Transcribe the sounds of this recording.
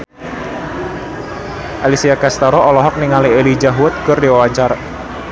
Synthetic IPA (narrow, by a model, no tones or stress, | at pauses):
ʔalisiakast̪aɾɔɔlɔɦɔk̚niŋalielid͡ʒaɦuʊt̪̚ɡʊrdiwawaɲt͡ʃar